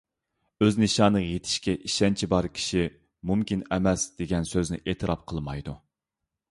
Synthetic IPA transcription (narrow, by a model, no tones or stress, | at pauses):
øznɪʃɑːnəjet̪ʰɪ̥ʃkʲɛʔiʃɛnt͡ʃʰibɑɾkʲʰi̥ʃi | mumkʲinɛmɛsd̪̥eɡʲɛnsøznɪ̰ʔeːt̪ʰɨɾɑp̚qʰəlˠmɑjd̪u